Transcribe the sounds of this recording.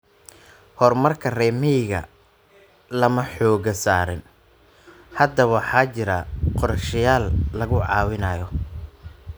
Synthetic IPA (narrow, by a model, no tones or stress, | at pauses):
hɔrmɐrkʰɐrɛːmɪɣɐ̰ | lɐmɐħɔːɣɐsaːɾɪn | hɐd̪ɐβħɑt͡ʃɪɾɐqɔɾʃɐjaːlːɐɣʊʕɑ̰ːwɪnɐːjɔ